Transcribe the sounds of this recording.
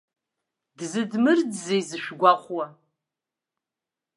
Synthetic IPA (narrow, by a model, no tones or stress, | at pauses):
dzɨdmɨrdzejzɨʃʷᶣɡʷaχʷwɐ